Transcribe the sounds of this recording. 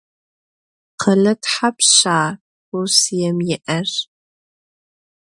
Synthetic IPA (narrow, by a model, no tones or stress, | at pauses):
qʰɐlɐtʰħapɕaː | usjɛmjɪʔɐr